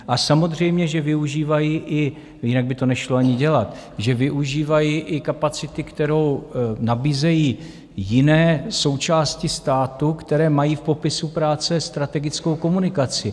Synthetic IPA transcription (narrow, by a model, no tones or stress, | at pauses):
ʔasamo̞d̪r̝ɛjmɲɛʒɛvɪuʒiːvajiːʔɪ | jɪnaɡ̚bɪt̪o̞nɛʃloaɲɪɟɛlat̪ | ʒɛvɪʔuʒiːvajiʔɪkapat͡sɪt̪ɪkt̪ɛɾo̞wnabiːzɛjiː | jɪnɛːso̞wt͡ʃaːscɪst̪aːt̪ukt̪ɛɾɛːmajiːfpo̞pɪsupɾaːt͡sɛst̪ɾat̪ɛɡɪt͡sko̞wko̞munɪkat͡sɪ